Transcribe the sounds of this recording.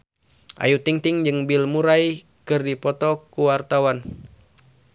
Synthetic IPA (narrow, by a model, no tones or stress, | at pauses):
ʔa̰jut̪iŋt̪iŋd͡ʒɨŋbilmuɾaj | kɨrdipɔt̪ɔkuwart̪awan